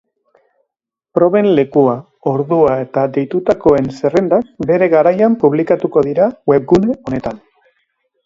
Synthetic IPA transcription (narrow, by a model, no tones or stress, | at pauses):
pɾo̞βe̞nle̞kua | o̞ɾðuae̞t̪ad̪e̞jt̪ut̪ako̞e̞nse̞re̞nd̪ak̚be̞ɾe̞ɣaɾajampuβlikat̪uko̞ðiɾawe̞b̚ɡune̞o̞ne̞t̪an